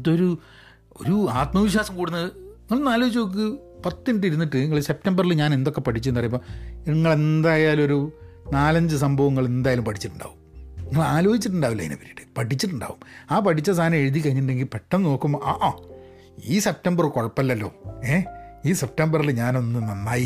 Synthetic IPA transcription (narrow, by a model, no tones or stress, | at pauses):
t̪ːoɾu | o̞̰ɾuaːt̪mɐʋiɕwaːsɐmkuːɽunːɐðɨiŋːɐɭnaːloːit͡ɕːok̬ːɨ | pɐt̪ːiniʈ̬ːiɾunːiʈːɨniŋːɐɭse̞p̚ʈɐmbɐrilɲaːne̞nd̪okːe̞pɐʈʰit͡ɕːuenːɐrɐjumboːeŋːɐɭe̞nd̪aːjaːluo̞ɾu | naːlɐɲd͡ʑɨs̬ɐmbʱɐʋɐŋːɐɭend̪aːjaːlumpɐʈʰi̥t͡ɕːiʈːuɳɖa̰ːʋumniŋːɐɭaːlo̞ːhit͡ɕːiʈ̬ːuɳɖaːʋilːɐ̰jḭnɐ̰pɐɾiiʈːɨ̥pɐʈʰit͡ɕːiʈ̬ːuɳɖa̰ːʋumaːpɐʈʰit͡ɕːɐsʰaːnɐme̞ɻuðik̬ːɐɻiɲːiʈ̬uɳɖe̞ŋɡilpeʈːɐnno̞ːkːumːʔaʔaː | iːse̞p̚tɐmbɐrkoɻɐpːɐlːɐlːo̞̰ːeːiːse̞p̚ʈɐmbɐrilɲaːno̞nːɨnɐnːaːji